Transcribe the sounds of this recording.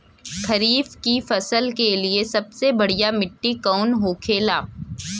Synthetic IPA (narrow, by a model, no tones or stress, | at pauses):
kʰɐɾiːfkifɐsəlkeliesɐbsebɐɽijamɪʈːikɐʊnɦoːkʰeːlaː